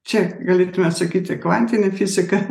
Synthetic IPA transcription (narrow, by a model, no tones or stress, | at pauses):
t͡ʃʲɛɡɐlʲeːt̪ʊmʲɛsɐkʲiːt̪ʲɪkʋɐnʲt̪ʲɪnʲɪfʲizʲɪkɐ